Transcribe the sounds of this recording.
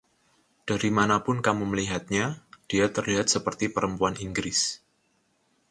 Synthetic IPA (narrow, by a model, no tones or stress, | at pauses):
d̥aɾimanapʊnkamuməliɦat̪̚ɲad̥iat̪ərliɦat̪̚səpərt̪ipəɾəmpuaniŋɡɾɪs